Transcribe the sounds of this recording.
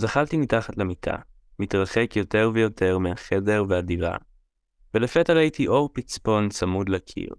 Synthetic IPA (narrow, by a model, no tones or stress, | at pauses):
zaχaltimitaχatlemitʰa̰ | mitʁaχe̞kjo̞te̞ʁvejo̞tʰe̞ʁmeaχe̞de̞ʁveadiva̰ | velefetaʁaitʰiʔo̞ʁpit͡spo̞nsamudlakʰḭʁ